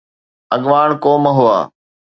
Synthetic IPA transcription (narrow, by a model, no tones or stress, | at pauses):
əɠʋaːɳkoːməɦʊa̰ː